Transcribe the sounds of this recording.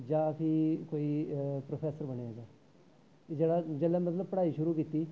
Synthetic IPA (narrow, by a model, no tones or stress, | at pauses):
d͡ʒãːəsĩːkoːiːpɾoːpʰɛːsəɾbəɽeaːd͡ʒaː | d͡ʒeːɽaːd͡ʒeːlɛːmət̪ləb̚pəɽaːiːʃʊɾuːkiːt̪iː